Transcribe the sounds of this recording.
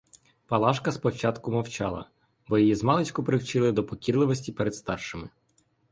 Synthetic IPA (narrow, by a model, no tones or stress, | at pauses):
pɐlˠɑʃkɐspɔwt͡ʃɑt̪kʊmɔwt͡ʃɑlˠɐ̰ | bɔjijizmɑlˠet͡ʃkʊpɾɪwt͡ʃɪlˠɪd̪ɔpɔkʲirlˠɪʋɔsʲtʲipɛɾed̪st̪ɑrʃɪmɪ